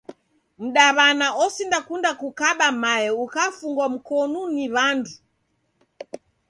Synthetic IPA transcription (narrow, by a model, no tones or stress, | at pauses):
m̩ɗaβanaɔsindakundakukaɓamajɛukafuŋɡwam̩kɔnuniβandu